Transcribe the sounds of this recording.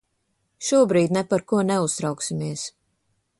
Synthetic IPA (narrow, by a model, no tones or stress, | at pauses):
ʃuɔbɾiːd̪ʲnɛpaɾkuɔnɛust̪ɾawksimiɛs